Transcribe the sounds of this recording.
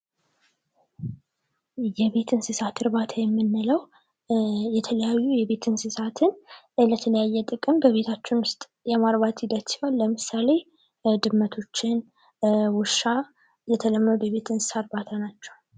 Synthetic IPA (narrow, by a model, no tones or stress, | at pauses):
jɛβe̞t̪ʰɨnsɨsat̪ʰɨɾbat̪ʰajɛmːɨnːɨləw | jɛt̪ʰələjajːujɛβe̞t̪ʰɨnsɨsat̪ʰɨn | lət̪ʰələjajːɛt̪ʼɨkʼɨmbəβe̞t̪ʰat͡ʃːɪnwʊst̪ʼ | jɛmaɾbat̪hid̪ət̪siwalːəmɨsale̞ | d̪ɨmːət̪ʰo̞t͡ʃːɪn | wʊʃa | jɛt̪ʰələmːənud̪jɛβe̞t̪ʰɨnsɨ̥saɾbat̪ʰanat͡ʃːɛw